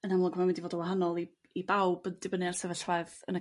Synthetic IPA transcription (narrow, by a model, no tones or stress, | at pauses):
ənamlˠɔɡmawɛndivoːdəwaɦanɔlˠi | ibawbəndɪbənɨarsɛvəɬvaɨðə̰nə